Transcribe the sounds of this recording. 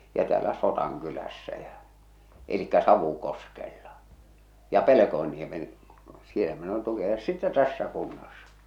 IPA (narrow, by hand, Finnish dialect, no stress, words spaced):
jɑ tæːlæ sotɑŋkylæsːæ jæ̠ elikːæ sɑʋukoskelːɑ jɑ pelekoenːiemen sielæ min olin tukiɑjosːɑ sitːe tæsːæ kunːɑsːɑ̥